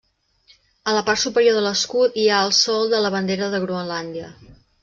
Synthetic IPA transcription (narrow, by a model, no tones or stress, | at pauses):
ələpart̪supəɾjoðələskut̪iaəlˠsɔlˠd̪ələβənd̪eɾəðəɣɾuənland̪iə